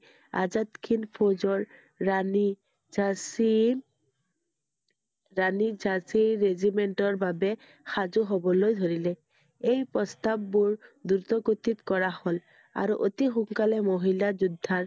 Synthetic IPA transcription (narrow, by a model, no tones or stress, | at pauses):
a̰zat̪kʰinpʰozɔɹː | ani | as | ɹanid͡ʒasiɹezimeɳʈɔɹbabɛ | xazuɦobɔlojd̪ʱoɹilɛ | ejpɹɔst̪abːuɹd̪uɾt̪ɔkot̪it̪kɔɹahol | a̰ɹuʔot̪ixuŋkalɛmoɦilad͡ʒud̪ʱːaɹ